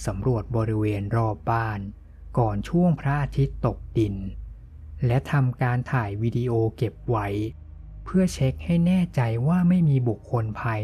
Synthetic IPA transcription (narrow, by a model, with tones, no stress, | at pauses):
sa˩˦mɾu˨˩ət̪̚bɔː˧ɾi˦˥weː˧nɾɔː˧˩p̚baː˥˩n | kɔː˨˩nt͡ɕʰu˥˩əŋpʰɾa˦˥ʔaː˧t̪ʰi˦˥t̪ːo˨˩k̚di˧n | lɛ˦˥t̪ʰa˧mkaː˧nt̪ʰaː˨˩jwiː˧diː˧ʔoː˧ke˨˩p̚wa˦˥j | pʰɯ˥˩ət͡ɕʰe˦˥k̚ha˥˩jnɛː˥˩t͡ɕa˧jwaː˥˩ma˥˩jmiː˧bu˨˩kʰːo˧npʰaː˧